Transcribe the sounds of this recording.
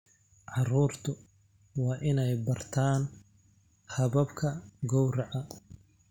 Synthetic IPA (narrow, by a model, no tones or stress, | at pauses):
ʕɑruːrt̪ʰʊ | wɑːʔɪnɛjbɐrt̪ʰaːn | hɐβɐbkʰɐɡɔwrɐʕɐ